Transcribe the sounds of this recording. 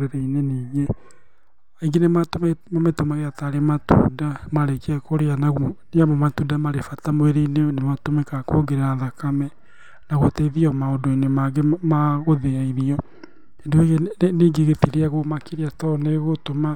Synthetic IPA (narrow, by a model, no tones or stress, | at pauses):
ɾeɾaineniːɣe | iɡenematommametomaɣeataɾematṵːdamaɾekiɛkoɾeanaɣoneamɔmatudamaɾefatamoeɾeinenematomɛkakoɡeɾeɾaðakamɛ | naɣotɛiðiɔmaodoenemaɡemaɣoðeaiðiɔ | endoeɣeniːɡeɣetiɾeaɣomakiɾiatɔneɣotoma